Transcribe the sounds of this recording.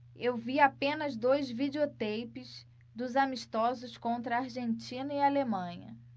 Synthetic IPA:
ewviapẽnɐzd̪ojzvid͡ʒeot̪ejpɪs | d̪ʊzamiʃt̪ɔzʊskõnt̪ɾɐaɾʒẽnt͡ʃĩnɐialemɐ̃ɲɐ̰

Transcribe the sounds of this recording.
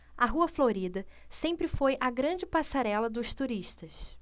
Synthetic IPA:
ɐɦuɐfloɾid̪ɐsẽmpɾɪfojʔɐɡɾɐ̃d͡ʒɪpasaɾɛlɐd̪ʊst̪uɾiʃt̪ɐs

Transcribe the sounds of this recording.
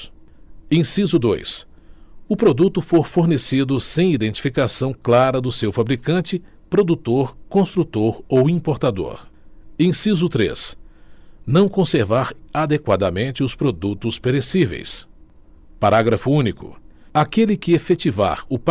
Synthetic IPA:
ẽj̃sizʊd̪ojs | ʊpɾod̪ut̪ʊfoɾfoɾnesid̪ʊsẽj̃id̪ẽnt͡ʃi̥fikasɐ̃w̃klaɾɐd̪ʊsewfabɾikɐ̃nt͡ʃɪ | pɾod̪ut̪oɾkõst̪ɾut̪oɾowĩpoɾt̪ad̪o̰ɾẽsizʊt̪ɾḛs | nɐ̃w̃kõseɾvaɾad̪ekwad̪ɐmẽnt͡ʃɪʊspɾod̪ut̪ʊspeɾesivḛjs | paɾaɡɾɐfʊũnikʊ̰ | akelɪkɪefet͡ʃiva̰ɾʊp

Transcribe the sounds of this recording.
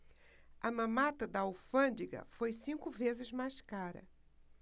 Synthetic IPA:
ɐmɐ̃mat̪ɐd̪ɐawfɐ̃nd͡ʒiɡɐ̰fojsĩkʊvezɪzmajskaɾɐ̰

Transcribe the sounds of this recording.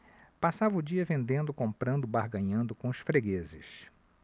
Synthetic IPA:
pasavɐʊd͡ʒiɐvẽnd̪ẽnd̪ʊkõmpɾɐ̃nd̪ʊbaɾɡɐ̃ɲɐ̃nd̪ʊkõʊsfɾeɡezɪ̰s

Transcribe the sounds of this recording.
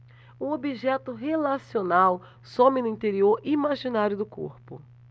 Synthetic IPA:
ũobiʒɛt̪ʊɦelasionaw | sõmɪnʊĩt̪eɾioɾimaʒinaɾjʊd̪ʊko̰ɾpʊ̰

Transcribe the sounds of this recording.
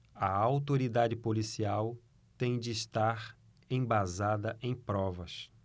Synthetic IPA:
ɐawt̪oɾid̪ad͡ʒɪpolisiaw | t̪ẽj̃d͡ʒɪːst̪aɾ | ẽj̃bazad̪ɐʔẽj̃pɾɔvɐs

